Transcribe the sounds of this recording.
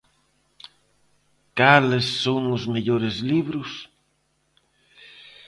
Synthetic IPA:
kalesːowŋʊzmeʎoɾɪzliβɾʊs

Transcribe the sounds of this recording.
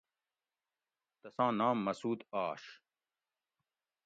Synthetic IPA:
t̪ɐsãːnãːmːɐsuːd̪aːʂ

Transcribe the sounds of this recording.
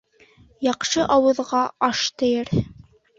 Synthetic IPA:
jɑqʃɤʔɑwɤ̆ðʁɑɑʃt̪ɘ̆jɘɾ

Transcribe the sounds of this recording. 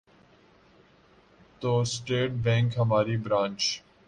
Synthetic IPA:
t̪oːsʈeːʈ̚bɛ̃ːŋkɦəmaːɾiːbɾãːnt͡ʃ

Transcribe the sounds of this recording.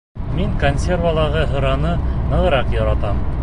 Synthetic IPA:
miŋkonʲsʲervalˠɑʁɤɦɤ̆ɾɑnɤnɤ̆ʁɤ̆ɾɑqjɒɾɑt̪ɑm

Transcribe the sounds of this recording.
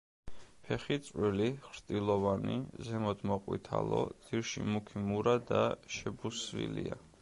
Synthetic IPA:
pʰɛχit̪sʼwiliχɾt̪ʼilˠɔvanizɛmɔd̪mɔqʼwḭt̪ʰa̰lˠɔd̪z̥iɾʃḭmukʰimuɾad̪aʃɛbusvḭlia

